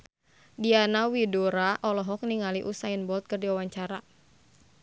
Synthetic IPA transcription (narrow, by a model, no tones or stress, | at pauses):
dianawidoɾaʔɔlɔɦɔk̚niŋaliʔusainbɔlt̪̚kɨrdiwawaɲt͡ʃaɾa